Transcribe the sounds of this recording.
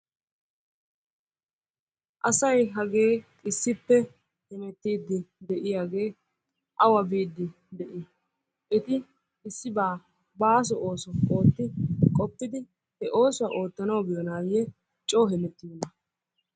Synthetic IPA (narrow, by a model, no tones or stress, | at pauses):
ʔɐsɐjɦɐɡe̞ː | ɪsːɪpːɛ | hɛnɛt̪ːiːd̪ːɪd̪ɛʔɪjaːɡe̞ː | ʔɐwɐbiːd̪ːɪ | d̪ɛʔɪ | ʔɛt̪ɪ | ɪsːɪbaː | baːs̬ɔʔo̞ːsɔo̞ːt̪ːɪkʼɔpːɪd̪ɪ | hɛʔo̞ːsʊwɐʔo̞ːt̪ːɐnɐwbɪjɔnaːjɛ | t͡ʃʼoːɦɛmɛt̪ːinɐ